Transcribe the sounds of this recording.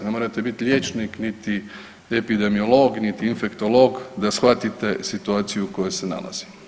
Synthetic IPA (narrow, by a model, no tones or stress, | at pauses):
nemo̞ɾat̪e̞bit̪iʎʲjeːt͡ʃniknit̪i | epid̪e̞mio̞lˠo̞ɡnit̪iːnfe̞kt̪o̞lo̞ːɡd̪asxʋat̪it̪e̞sit̪uaːt̪sijuko̞jose̞na̰la̰z̥i̥